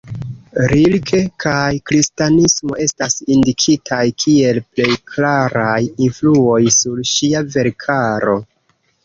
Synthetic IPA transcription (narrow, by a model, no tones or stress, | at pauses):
ɾilkʰe̞kʰajkɾistanismo̞e̞stasindikʰitʰajkʰie̞lple̞jklaɾajinfluo̞jsuɾʃiave̞ɾkʰaɾo̞̰